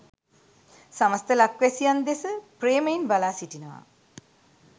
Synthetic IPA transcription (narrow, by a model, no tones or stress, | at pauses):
saməst̪əlakʋɛsijand̪esəpreːməjinbalaːsiʈinəʋa̰